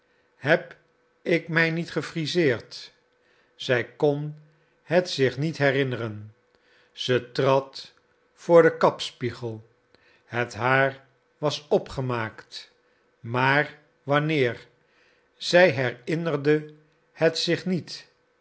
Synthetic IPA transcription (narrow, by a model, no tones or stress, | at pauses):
hɛp | ɪkmɛjnitχəfrizɪːɹt | z̥ɛjkɔn | ɦətsɪχnitɦɛrɪnərən | z̥ətrɑt | fʊːɹdəkɑpspiχəlˠ | hətɦaːɹ | ʋɑsɔpχəmaːkt | maːɹ | ʋɑnɪːɹ | z̥ɛjɦɛrɪnərdə | hətsɪχnit